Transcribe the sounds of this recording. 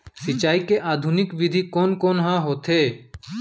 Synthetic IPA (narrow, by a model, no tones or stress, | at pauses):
sɪt͡ʃaːikeʔaːd̪ʱunɪkʋɪd̪ʱikoːnkoːnɦãːɦoːt̪ʰɦeː